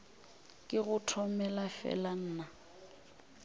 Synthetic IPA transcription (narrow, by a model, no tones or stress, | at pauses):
kʼɪɣʊtʰɔmɛlafɛ̰lan̩ːna